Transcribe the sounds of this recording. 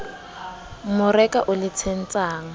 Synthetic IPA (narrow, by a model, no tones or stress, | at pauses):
mʊrɛkʼaʔʊlɪt͡sʰen̩t͡sʼaːŋ̩